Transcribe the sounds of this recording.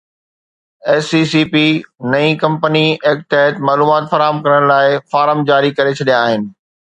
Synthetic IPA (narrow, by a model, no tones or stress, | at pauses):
eːsiːsiːpinɐĩkɐ̃mpənieːk̚ʈ̪ɐɦət̪maːluːmaːt̪fɐɾaːɦəmkɐɾəɽ̃laːɪfaːɾəmd͡ʑaːɾikɐɾet͡ɕʰɐɗijãːɦɪnɪ̆